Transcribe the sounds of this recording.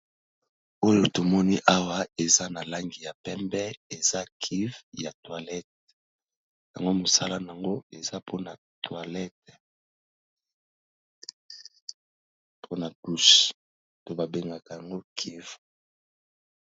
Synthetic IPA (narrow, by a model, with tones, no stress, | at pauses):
o˦jo˦to˨mɔ˦ni˦ʔa˦wa˦e˨za˦na˨la˦ŋɡi˨ja˨pɛ˦mbɛ˦e˨za˦kʰi˦vja˨twa˨lɛ˦t̚ | ja̰˨ŋɡo˦mo˨sa˦la˦n˨a˨ŋɡo˦e˨za˦pʰo˦na˨ | twa˨lɛ˦t̚ | pʰo˦na˨du˦s | to˨ba˨be˨ŋɡa˨ka˨ja˨ŋɡo˦kʰi˦v